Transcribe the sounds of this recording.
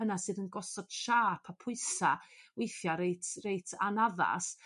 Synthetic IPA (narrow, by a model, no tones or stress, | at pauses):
ənasɨðənɡɔsɔd̥ʃaːpʰapʰʊɨsawejθjaɾejtʰrejtʰanaða̰s